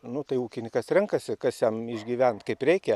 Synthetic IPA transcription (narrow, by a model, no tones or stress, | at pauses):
nʊt̪ɐɪuːkʲɪnʲɪkɐsɾʲɛŋkɐsʲɪkɐsjɛmɪʒʲɡʲiːʋʲɛnt̪kɐɪprʲɛɪkʲɛ